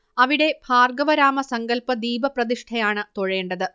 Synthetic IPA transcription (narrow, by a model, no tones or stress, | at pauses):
ɐʋiɽe̞bʱaːrɡɐʋɐɾaːmɐsɐŋɡɐlpɐd̪iːbɐprɐðiʂʈʰɐjaːɳɨt̪oɻe̞ːɳɖɐðɨ